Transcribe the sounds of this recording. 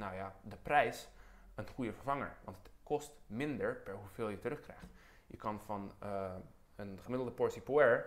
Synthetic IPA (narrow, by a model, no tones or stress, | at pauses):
nawjadəprɛjs | ənχujəfəɹvɑŋə̰ɹʋɑ̰ntətkʰɔstmɪndəɹpɛɹɦuvɪːlˠjətərɵχkrɛjχt | jəkɑnfɑn | ənχəmɪdlˠdəpɔɹsipuɛɹ